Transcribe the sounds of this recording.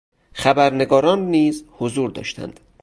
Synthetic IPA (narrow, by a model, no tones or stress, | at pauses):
xæbæɾne̞ɡɒːɾɒːnːiːzhozuːɾd̪ɒ̰ːʃt̪ʰæ̰nd̪̥